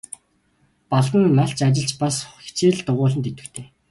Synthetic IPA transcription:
paɮt̪ə̆nːaɬt͡ɕat͡ɕɪ̆ɬt͡ɕpasxi̥t͡ɕeːɮt̪ʊʁʊːɮə̆nt̪et̪ɘ̆kt̪ʰeː

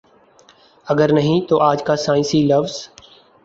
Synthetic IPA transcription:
əɡəɾnəɦĩːt̪oːʔaːd͡ʒkaːsaːɪ̃nsiləʋz

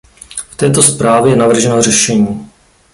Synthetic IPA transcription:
ft̪ɛːt̪o̞spɾaːvjɛjɛnavr̩ʒɛnor̝ɛʃɛɲiː

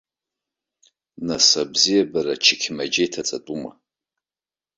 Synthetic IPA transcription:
nasabzijabaɾat͡ʃʰɪkʲʰmad͡ʒejtʰat͡sʼatʼuma̰

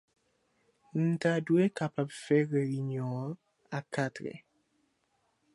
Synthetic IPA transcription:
n̩taduekapapfɛɣəɾiɲɔ̃ː | akatɾɛ̰

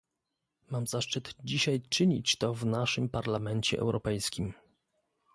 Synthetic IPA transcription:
mamzaʂt͡ʂɘt̪d͡ʑiɕajt͡ʂɘɲḭt͡ɕt̪ɔvnaʂɘmpaɾlamɛnt͡ɕɛ̰ʔɛ̰wɾɔpɛjskʲim

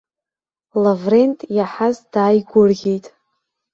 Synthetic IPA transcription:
lavre̞ntʼjaħazd̥aːjɡʷʊrɣʲejtʼ

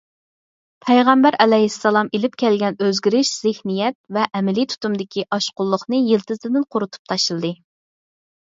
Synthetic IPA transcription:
pʰɛjʁæmbæɾʔɛlɛɦisːɑlˠɑmelɪp̚kʲʰɛlɡʲɛnøzɡʲiɾɪʃz̥ɪhnijɛt̪̚vɛʔːmɪlit̪ʰu̥t̪umd̪ɪkʲiʔɑʃqʊlˠːʊχnɨjilˠt̪ʰɨzɨd̪ɪnqʰʊɾut̪ʰu̥p̚t̪ʰɑʃɨlˠɨd̪ɨ

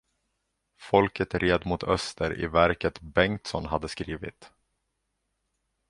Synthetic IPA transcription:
fɔlkət̪ɾeːd̪mʊt̪ʰœst̪ʰəɾɪ̰væɾkət̪bɛŋt̪sɔnɦad̪ːəskɾiːvɪ̰t̪

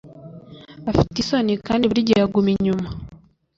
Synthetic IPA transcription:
afitisonikaːndiβuɾiɟeɾaɡumiɲuma

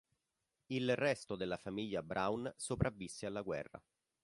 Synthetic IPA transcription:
ilrɛst̪od̪elːafamiʎːabɾʔawnsopɾʔavːisːealːaɡwɛ̰rːa̰

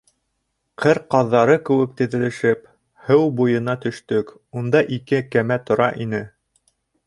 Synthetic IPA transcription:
qʰɘɾqɑðːɑɾɤkɘ̆wɘk̚t̪ɘ̆ðɘ̆lɘ̆ʃɘp | hɘwbujɤ̆nɑt̪ɵ̆ʃt̪ɵk | und̪ɑʔikɘkæmæt̪ŏɾɑʔinɘ

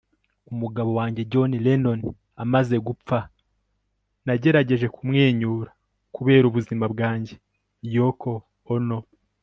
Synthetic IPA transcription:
umuɡaβo̞waːɲɟe̞ɟo̞nileno̞n | amaze̞ɡup͡fa | naɟe̞ɾaɟe̞ʒe̞kumŋe̞ːɲuːɾḁ | kuβe̞ːɾuβuzimab̚ɡaːɲɟe̞ | jokʰoː | no̞

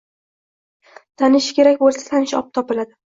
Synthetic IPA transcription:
t̪ʰanɪʃkʲʰe̞ɾakʲbolsḁt̪ʰanɪʃɒ̰p̚t̪ʰɒpɪlad̪ɪ

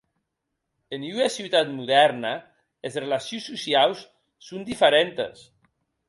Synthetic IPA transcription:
enuasiwt̪at̪muðɛɾna | ezrelasjunsːusiawsː | und̪ifəɾent̪ḛs

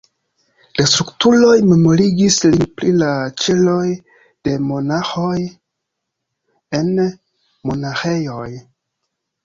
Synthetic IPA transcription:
lastɾuktulo̞jme̞mo̞ɾiɡislinpɾilat͡ʃe̞lo̞j | d̥e̞mo̞naxoj | e̞n | mo̞naxe̞jo̞j

